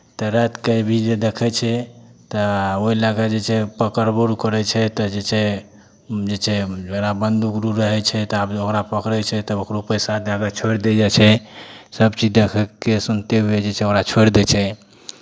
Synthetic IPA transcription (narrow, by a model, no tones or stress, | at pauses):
t̪ɔɾɛt̪kəjbʱid͡ʒed̪ekʰɛt͡ʃʰɛt̪ɔoilaɡad͡ʒet͡ʃʰɛpəkəɾboɾukəɾɛt͡ʃʰɛt̪ɔd͡ʒet͡ʃʰɛ | d͡ʒet͡ʃʰɛd͡ʒəɡɾabənd̪ukɾuɾəɦɛt͡ʃʰɛt̪abokɾapəkɾɛt͡ʃʰɛt̪ɔokɾopəjsad̪d͡ʒaɡat͡ʃʰoɾd̪ɛd͡ʒat͡ʃʰɛsəbt͡ʃid͡ʒd̪ekʰɛkesunt̪eɦued͡ʒet͡ʃʰɛokɾat͡ʃʰoɾd̪ɛt͡ʃʰɛ